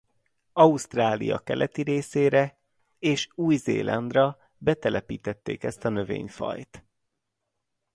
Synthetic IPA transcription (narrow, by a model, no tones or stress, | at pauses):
ɒust̪raːlḭjɒ̰kɛlʔɛt̪iɾeːseːɾɛ | eːʃuːjzḛːlʔɒnd̪rɒ | bɛt̪ɛlɛpiːt̪ɛt̪ːḛːkɛst̪ɒnø̞vḛːɲfɒ̰jt̪